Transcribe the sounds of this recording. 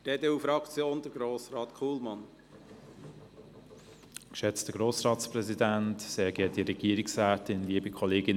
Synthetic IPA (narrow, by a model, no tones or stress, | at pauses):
d̥eːd̪eufɾɑkt͡sjoːnd̪əɡɾoːsɾɑːt̪kʰuːlmɑn | kʃɛt͡stəɡɾoːsɾɑːtspɾɛzidæntseːɡɛːd̥iɾɛɡ̥iəɾiksɾæːtɪnliəbikʰɔleːɡɪn